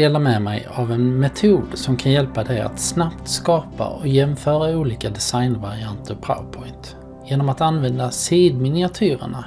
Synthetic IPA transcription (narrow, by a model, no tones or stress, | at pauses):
eːlaɾmɛmɛjavɛnmɛt̪ʰuːd̪sɔmkʰanjɛlpad̪ɛja̰t̪snapt̪skɑːpa̰ʔɔjɛmfœːɾauːliːkad̪ɛsajnvaɾɪant̪ʰəɾpʰɾa̰ʊpʰɔɪnt̪ | jeːnɔmat̪anvɛnd̪asiːd̪mɪnɪat̪ʰyːɾə̰ɳa